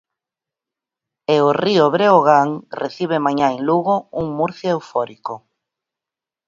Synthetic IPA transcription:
eorioβɾeoɣaŋreθiβ̞emaɲaeŋluɣouŋmuɾθjoewfɔɾiko

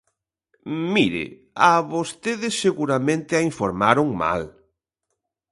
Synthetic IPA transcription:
miɾɪ̰ | aβost̪eðɪsːeɣuɾamẽnt̪ɪaiɱfoɾmaɾʊŋma̰l

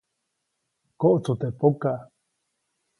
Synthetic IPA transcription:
koʔot͡sut̪epoka

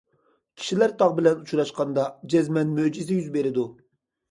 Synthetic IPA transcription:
kʲʰi̥ʃilæɾt̪ʰɑʁbɪlɛnut͡ʃʰuɾɑʃqɑnd̪ɑd͡ʒɛzmɛnmød͡ʒizɪjyzbeɾɪd̪u

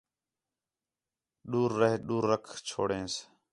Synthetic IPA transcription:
ɗuːɾːəɦɗuːɾːəkʰt͡ʃʰo̰ːɽẽːs

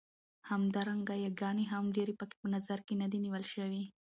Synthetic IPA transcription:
hamd̪ɑɾaŋɡajaɡɑneɦamɖeɾepəke̥pənazaɾkenad̪iniwəlʃəwi

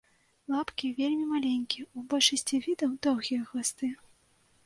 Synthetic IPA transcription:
lˠapkʲivʲelʲmʲimalʲenʲkʲiɛubɔlʲʂɐsʲt͡sʲivʲid̪ɐwd̪ɔwɣʲijɐɣast̪ɨ

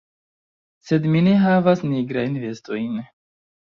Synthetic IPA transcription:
se̞dmine̞ɦavasniɡɾajnve̞sto̞jn

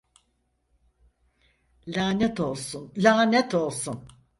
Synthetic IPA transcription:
lʲaːnɛt̪o̞lˠsunlʲaːnɛt̪ʰo̞lˠsun

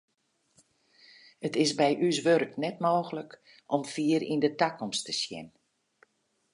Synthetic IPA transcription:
ətɪsbɛjʔys̬ʋørknɛtmoːɣələk | ʔɔmfiːəɾḭndətakɔmstəsjɪ̰n

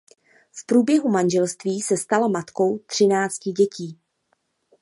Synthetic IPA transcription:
fpɾuːbjɛɦumanʒɛlst̪viːsɛst̪alamat̪ko̞wt̪r̝̥ɪnaːt͡scɪɟɛciː

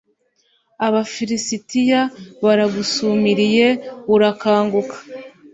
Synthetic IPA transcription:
aβafiɾisitijaβaɾaɡusumiɾije̞βuɾakaːŋɡukḁ

